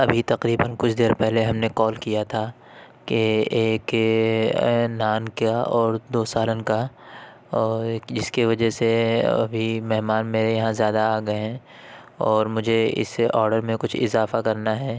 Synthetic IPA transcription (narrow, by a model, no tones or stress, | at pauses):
ɐbʱit̪ɐqɾiːbənkʊt͡ʃʰd̪eːɾpɛɦleɦɐmneqɔːlkijat̪ʰa | keeːk | naːnkaɔːɾd̪oːsaːlənka | ɔːɾd͡ʒɪskiʋɐd͡ʒɛseɐ̰bʱimɛɦmaːnmeːɾejɐɦãzjaːd̪aaːɡɐeɦɛ̃ː | ɔːɾmʊd͡ʒʱeɪ̰sːeʔɔːɾɖəɾmẽkʊt͡ʃʰɪ̰zaːfakɐɾnaɦɛː